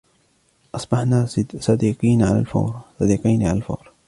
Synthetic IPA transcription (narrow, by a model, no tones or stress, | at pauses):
ʔɑsˤbɑħnaːsˤɑd̪iːqiːnʕala̰lfa̰wɾsˤɑd̪iːqɑjnʕalalfa̰wɾ